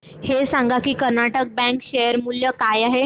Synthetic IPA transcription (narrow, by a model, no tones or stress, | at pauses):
hesãŋɡakiːkəɾnaʈək̚bɛ̃kɕejəɾmuljəkajaɦe